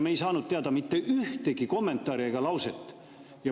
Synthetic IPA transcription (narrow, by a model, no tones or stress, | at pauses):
me̞jsɑːnud̪̥̚t̪eɑd̪ɑmit̪ːe̞ʔyht̪e̞ɡiko̞mːe̞nt̪ˑːɑːɾieɡ̥ɑlɑwse̞t̪ːˑ | jɑ